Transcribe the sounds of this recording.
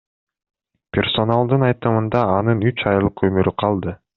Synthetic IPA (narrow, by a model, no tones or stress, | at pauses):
pʲerso̞nalˠd̪ɯnɑjt̪ɯmɯnd̪ɑːnɯnyt͡ʃɑjɯlˠqømyɾyqʰɑlˠd̪ɯ